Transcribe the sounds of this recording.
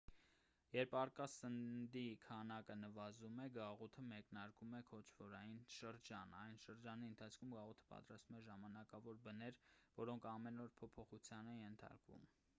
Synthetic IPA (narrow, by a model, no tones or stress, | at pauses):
jɛɾpʰɑrkɑsənd̪ikʰɑnɑkənəvɑzumɛɡɑʁut̪ʰəmɛknɑɾkumɛkʰɔt͡ʃʰvɔɾɑjinʃəɾd͡ʒɑnɑjnʃəɾd͡ʒɑniənt̪ʰɑt͡sʰkʰumɡɑʁut̪ʰə̥pɑ̰t̪ɾɑst̪umɛʒɑmɑnɑkɑvɔɾbənɛɾvɔɾɔŋkʰɑmɛnɔɾpʰɔpʰɔχut͡sʰjɑnɛjɛnt̪ʰɑ̰ɾkvṵm